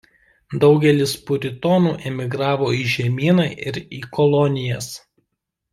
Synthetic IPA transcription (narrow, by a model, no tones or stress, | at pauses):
d̪ɒʊɡʲɛlʲɪspʊɾʲɪt̪ɔːnuːʔɛmʲɪɡɾɑːʋoːiːʒʲɛmʲiːnɑʔɪɾiːkɔlˠɔnʲɪjɛs